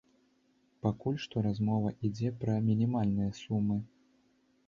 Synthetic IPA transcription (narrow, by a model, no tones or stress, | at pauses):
pakulʲʂt̪ɔɾazmɔvɐʔid͡zʲɛpɾɐmʲinʲimalʲnɨjɐsumːɨ